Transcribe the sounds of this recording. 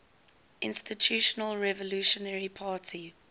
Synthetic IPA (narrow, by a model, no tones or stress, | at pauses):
ʔɪ̃nstitʰjuːʃɔnəlɹɛvɔluːʃɔnɛɹipʰaːtʰi